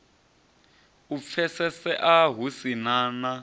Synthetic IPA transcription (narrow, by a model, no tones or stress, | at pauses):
up̪fʰɛsɛsɛʔaɦusinaːna